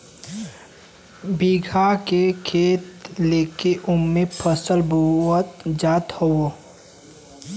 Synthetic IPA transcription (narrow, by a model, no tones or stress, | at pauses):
biɡʱakekʰeːt̪leːkeʔʊmːẽpʰəsəlbʱuət̪d͡ʒaːt̪howo